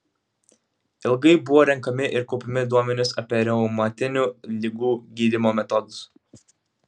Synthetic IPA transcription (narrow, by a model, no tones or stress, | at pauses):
ɪlˠɡɐɪbʊʋoːɾʲɛŋˑkɐmʲɪʔɪɾkɔʊpʲɪmʲɪd̪uɔmʲɛnʲʊsɐpʲiɛɾʲɛʊmɐt̪ʲɪnʲulʲɪɡuːɡʲiːd̪ʲɪmoːmʲɛt̪ɔd̪ʊs